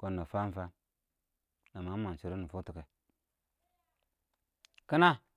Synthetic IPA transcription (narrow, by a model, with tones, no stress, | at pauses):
ko˨nːa˨fa˦fa˦ | na˨ma˨˦ma˨n˨si˨ɾi˦nu˨fu˦ti˨ke˨ | kə˦na˦